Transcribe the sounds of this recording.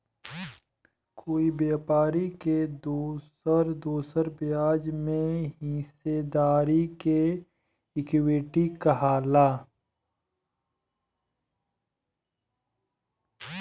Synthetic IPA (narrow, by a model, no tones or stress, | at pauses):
kʰoːibeːpaːɾiked̪uːsəɾd̪oːsəɾbɪjaːd͡ʒmẽɦĩsed̪aːɾike | ɪkwɪʈikɐɦaːlaː